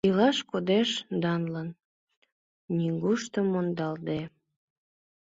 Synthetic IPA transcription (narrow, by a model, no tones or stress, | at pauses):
ilɑʃkod̪eʃd̪ɑnlən | nʲiŋɡuʃt̪əmːond̪ɑld̪e